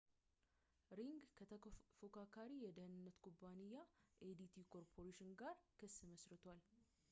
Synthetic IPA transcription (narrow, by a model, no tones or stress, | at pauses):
ɾiŋɡkʰət̪ʰəfokʰakʰaɾijɛd̪əhɨnɨnːət̪kʰubanijːaʔed̪it̪ʰikʰo̞ɾpʰo̞ɾeʃɪnɡaɾkʰəsːɨməsɾɨt̪ʰwal